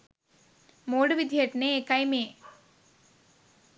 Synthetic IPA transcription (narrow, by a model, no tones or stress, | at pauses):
moːɽɨʋid̪ʱjeʈnekːɐjmeː